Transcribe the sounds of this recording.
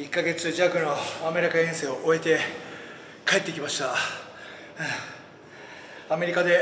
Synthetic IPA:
ikːaɡe̞t͡sɨʑakɯ̟no̞ame̞ɾʲikaẽse̞ːoʔoe̞t̪e̞ | kae̞t̪ːekʲimaɕi̥t̪a | ame̞ɾʲikad̪e̞

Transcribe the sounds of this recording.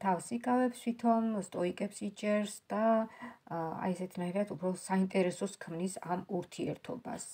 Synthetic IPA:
t̪ʰafsikʼavɛpst̪ʰit̪ʰɔnst̪ʼɔikʼɛpsit͡ʃʼɛɾsd̪̥a | a̰ɛsɛt̪ʰinaiɾat̪ʰupʰɾɔsaint̪ʼɛɾɛsɔskʰmnisa̰muɾt̪ʰiɛ̰ɾt̪ʰɔ̰ba̰s

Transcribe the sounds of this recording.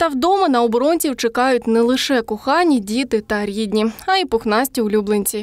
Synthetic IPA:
t̪ɐwd̪ɔmɐnɐɔbɔɾɔnʲt͡sʲiwt͡ʃekɑjʊtʲnɛlˠɪʂɛkʊxɑnʲidʲit̪ɪt̪ɐɾʲidʲnʲiɐipʊxnɑsʲtʲiʊlʲublˠenʲt͡sʲi

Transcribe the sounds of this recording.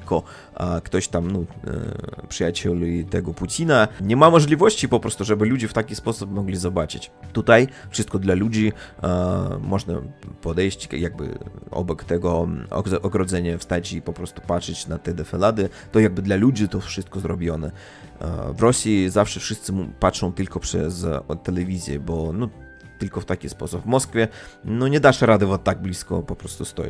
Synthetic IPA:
kɔ | kt̪ɔɕt̪amnɔ | pʂɨjat͡ɕɛlʲit̪ɛɡɔput͡ɕʲinaɲɛmamɔʐlʲivɔɕt͡ɕipɔpɾɔst̪uʐɛbɘlud͡ʑɛft̪akʲispɔsupmɔɡlʲizɔbat͡ʂɘt͡ɕt̪ut̪ajfʂɘst̪kɔd̪lalud͡ʑi | mɔʐna̰pɔd̪ɛjɕt͡ɕjaɡ̚bɘ̰ɔ̰bɔkt̪ɛɡɔɔ̰ɔɡɾɔd̪zɛɲafst̪at͡ɕipɔpɾɔst̪u̥patʂɘt͡ɕnat̪ɛd̪ɛfɛlad̪ɛt̪ɔjaɡ̚bɘd̪lalud͡ʑit̪ɔfʂɨst̪kɔzɾɔbʲjɔnɛ̰ | vɾɔsʲjizafʂɛfʂɘst̪sɘmupatʂɔ̃w̃t̪ɘlkɔpʂɛ̰st̪ɛlɛvʲizʲjɛ̰bɔnɔ | t̪ɘlkɔft̪akʲispɔsubvmɔskfʲjɛnɔɲɛd̪aʂɾad̪ɛvɔt̪ːaɡ̚blʲiskɔ̰pɔpɾɔst̪ust̪ɔ̰jɛ̰

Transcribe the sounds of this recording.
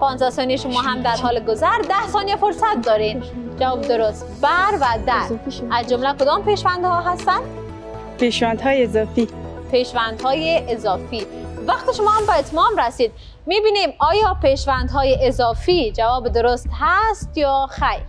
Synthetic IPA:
pʰɒːnzæsɒːnijʃomɒːɦæmd̪æɾɦɒːleɡozæɾd̪æhsɒːniefoɾsæt̪̚d̪ɒːɾind͡ʒævɒːbed̪oɾost̪̚bæɾvæd̪æɾʔæzd͡ʒomlækod̪ɒːmpeʃvænd̪hɒːɦæst̪ænd̪ | pʰeʃvænd̪hɒːjeezɒːfi | pʰeʃvænd̪hɒːjeʔezɒːfi | væqt̪iʃomɒːhæmbæet̪ʰmɒːmɾæsiːd̪ | miːbiːnimɒːjɒːpeʃvænd̪ɦɒːjeʔezɒːfiːd͡ʒævɒːbed̪oɾost̪hæst̪jɒːxæj

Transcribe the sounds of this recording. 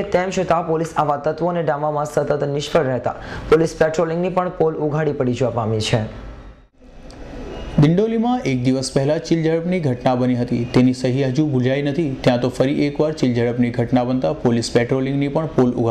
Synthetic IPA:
et̪ɛmt͡ʃʰʊt̪apolisaʋat̪ət̪ʋoneɖamamãsət̪ət̪nɪʃkəɭɾɛɦt̪a̰polispɛʈɾolɪ̃ŋɡnipəɳpoluɡʱaɽipəɽid͡ʒʋapamit͡ʃʰe | d̪ɪɳɖolimãʔek̚d̪iʋəspɛɦɛlat͡ʃild͡ʒəɭəpniɡʱəʈnabəniɦət̪it̪enisəɦiɦəd͡ʒũbʱud͡ʒajnət̪ʰit̪jãt̪ofəɾiʔekʋaɾt͡ʃild͡ʒəɽəpniɡʱəʈnabənt̪apolispɛʈɾolɪ̃ŋɡnipəɳpolṵɡʱ

